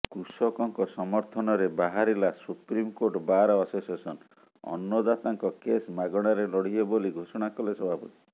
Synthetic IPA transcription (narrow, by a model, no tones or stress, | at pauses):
kɾusɔkɔŋkɔsɔmɔɾt̪ʰɔnɔɾebaɦaɾilasupɾimkoɾʈbaɾɔasosesɔn | ɔ̰nːɔd̪at̪aŋkɔkesmaɡɔɽ̃aɾelɔɽ̤ieboliɡʱosɔɽ̃akɔlesɔbʱapɔt̪i̥